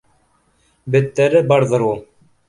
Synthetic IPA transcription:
bɘ̆t̪ːæɾɘbɑɾðɤɾu

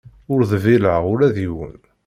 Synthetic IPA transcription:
ʊɾðəviləʁʊɾæðiwə̰n

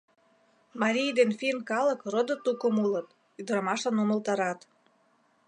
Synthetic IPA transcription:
mɑɾʲijd̪enfinkɑləkrod̪ŏt̪ukəmulət̪ | yd̪əɾɑmɑʃɤnuməlt̪ɑɾɑt̪

